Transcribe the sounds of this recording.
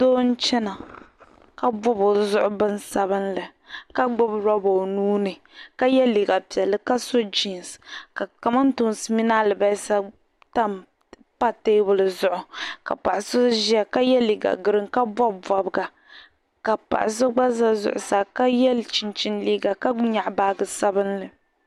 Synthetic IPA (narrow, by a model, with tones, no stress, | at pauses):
doː˦n̩˦t͡ʃɛ˦na˨ | ka˦bɔ˦bo˨zʊ˦ʔʊ˦bɨ˦n˦sa˦βɨ˦nlɨ˨ | ka˦ɡ͡bʊ˦bɾɔ˦bo˨nuː˦nɨ˨ | ka˦jɛ˦li˨ɡa˨pi˨ɛ˨lːɨ˦ka˦so˦d͡ʒi˨nska˨ka˨ma˦n˦tʊ˦nsɨ˦mi˦na˦lɨ˨ba˦sa˦ | ta˦m | pa˦te˦bʊ˨lɨ˨zʊ˦ʔʊ˨ka̰˨pa˨ʔɪ˨so˦ʒi˦a˨ka˦jɛ˦li˨ɡa̰˨ɡɨ˨ɾɨ˦ŋka˦vɔ˦bvɔ˨bɡa˨ | ka˨pa̰˨ʔɪ̰˨s̬o˦ɡ͡ba˦za˦zʊ̰˨ʔʊ̰˨sa˨ka˦jɛ˦lt͡ʃi˦nt͡ʃi˦nliː˦ɡa˨ka˦ɲa˨ʔbaː˦ɡɨ˨sa˦bɨ˦nlɨ˨